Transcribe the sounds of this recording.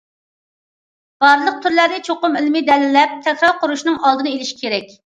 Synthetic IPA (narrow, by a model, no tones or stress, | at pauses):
b̥ɑɾlˠəq̚t̪ʰyɾlæɾd̪ɪt͡ʃʰoqʊmilmɪd̪ɛlɪlɛp̚t̪ʰɛkʲɾɑɾqʰʊɾuʃnɨŋʔɑlˠd̪ɨnɨelɪʃi̥kʲʰeɾɛkʲ